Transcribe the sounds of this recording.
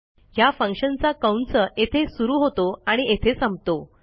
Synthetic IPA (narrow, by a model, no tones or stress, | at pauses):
jafə̃ŋkɕənt͡sakəwnt͡ssəʔet̪ʰesuɾuːɦot̪oaɽ̃iet̪ʰesəmb̚t̪o